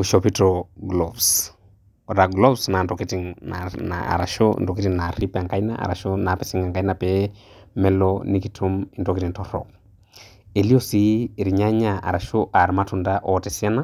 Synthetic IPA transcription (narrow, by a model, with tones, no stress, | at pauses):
uʃopi˦tɔɡlɔbs | ɾa˨ɡlɔ˦bsna˨ntɔ˨kiti˨ŋnana̰a̰˨ɾa˨ʃɔ̰ndɔ˨ki˦ti˨na˨ɾi˦pa˨ŋka˦i˦na̰˦ʔa̰˨ɾa˨ʃona˨pɛsi˦ŋa˨ŋka˦i˦napɛ | mɛ˦lɔni˦kitʰu˦mi˨ntɔ˨kiti˨ntɔɾɔ̰˨k̚ | e˨li˦o˦si˨ɾi˨ɲa˦ɲa˨a̰˨ɾa˨ʃoʔa˨ɾma˦tu˨nda˦ʔɔ˨tɛ˨sja˦na˦